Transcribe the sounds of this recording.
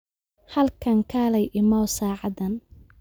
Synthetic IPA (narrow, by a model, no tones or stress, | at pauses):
hɐlkʰɐŋkʰaːlɐjʔɪmɔːwsaːʕɑdɐn